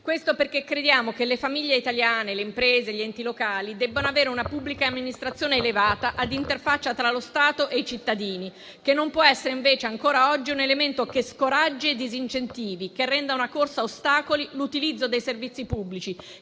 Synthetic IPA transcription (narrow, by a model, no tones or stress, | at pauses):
kwest̪operk̟ekːɾed̪jaːmokelefamiʎːeit̪aljaːneleimpɾeːzeʎiɛnt̪ilokaːlid̪ɛbːanoaveːɾeunapubːlikaːmːinist̪ɾat̪sːjoːneːlevaːt̪aʔad̪int̪erfat͡ʃːat̪ɾalost̪aːt̪oʔeit͡ʃit̪ːad̪iːni | kenːompwɔɛsːeɾeiɱveːt͡ʃeaŋkoːɾaɔd͡ʒːiunelement̪okeskoɾad͡ʒːeed̪izint͡ʃent̪iːvikerːɛnd̪aunakorsaost̪aːkolilut̪ilid̪zːod̪ejservit̪sːipubːlit͡ʃi